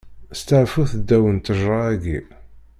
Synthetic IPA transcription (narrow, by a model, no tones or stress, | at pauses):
st̪əʕfuθəd̪ːæwənt̪əʒɾˤɑæɡḭ